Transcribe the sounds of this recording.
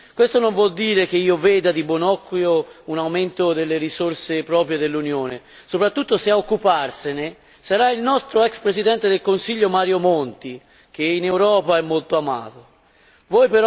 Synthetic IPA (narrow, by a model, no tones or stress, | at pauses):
kwest̪onoɱvwɔld̪iːɾek̟eiːovɛːd̪ad̪ibwonɔkːjounawment̪od̪elːeɾisorsepɾɔːpɾjed̪elːunjoːne | sopɾat̪ːut̪ːoseaokːuparsene | saɾailnɔst̪ɾoɛkspɾesid̪ɛnt̪ed̪elkonsiʎːomaːɾjomont̪i | k̟einewɾɔːpaɛmːolt̪oama̰ːt̪o | vɔjpeɾ